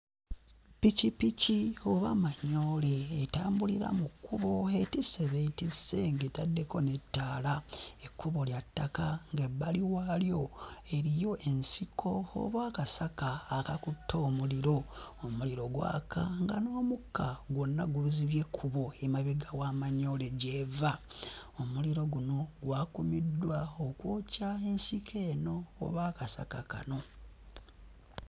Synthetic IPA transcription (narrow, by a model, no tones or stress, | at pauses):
picipicio̞βamaɲːo̞ːleːtaːmbuliɾa̰mukːuβo̞e̞tisːe̞βeitisːe̞ŋɡetadːe̞ko̞netːaːlaekːuβo̞ljatːakaŋɡebːaliwaːljo̞e̞ɾijo̞ʔe̞nsikʰo̞o̰βwaːkasakaːkakutʰːo̞ːmuliɾo̞omuliɾo̞ɡwa̰ːkʰa̰ŋɡano̞ːmukʰːaɡwonːaɡuβuziβje̞kʰuβo̞emaβeɡawaːmaɲole̞ɟeva | omuliɾo̞ɡuno̞ɡwaːkumidːwaokwoːcae̞nsikʰe̞ːno̞̰ːβaːkasa̰kaka̰no̞